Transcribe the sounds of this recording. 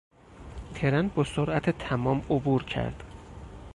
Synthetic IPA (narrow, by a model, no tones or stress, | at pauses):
t̪ʰeɾænbɒsoɾʔæt̪ʰet̪ʰæmɒːmobuɾcʰæ̰ɾd̪̥